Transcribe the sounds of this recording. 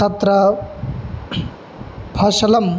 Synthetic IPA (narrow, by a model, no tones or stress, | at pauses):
ɐt̪ɾɐ | bʱɐʃɐlɐm